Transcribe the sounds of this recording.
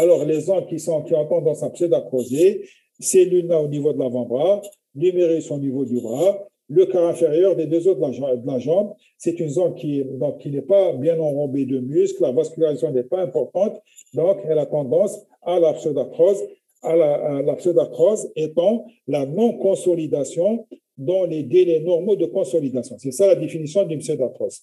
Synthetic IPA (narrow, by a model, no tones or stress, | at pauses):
alɔʁlezɑ̃b̚kʲisɔ̃kʲiɔ̃t̪ɑ̃d̪ɑ̃sapsod̪akχɔze | sɛlynaonivod̪əlavɑ̃bʁa | lymeʁisonivod̪ybʁa | ləkaʁɛ̃feʁjœʁd̪ed̪øzot̪d̪əlaʒɑ̃b | sɛt̪ynzɑ̃b̚kʲiɛd̪ɔ̃kkːinɛpabjɛ̃nɑ̃ʁɔ̃bed̪əmysklavaskʲylaʁizasjɔ̃nɛpaɛ̃pɔʁt̪ɑ̃t̪d̪ɔ̃kɛlat̪ɑ̃d̪ɑ̃s | alapsod̪at̪χɔz | alalapsød̪at̪χɔzet̪ɑ̃ | lanɔ̃kɔ̃sɔlid̪asjɔ̃ | d̪ɑ̃led̪elenɔʁmod̪əkɔ̃sɔlid̪asjɔ̃sɛsalad̪efinisjɔ̃d̪ymsød̪at̪χɔs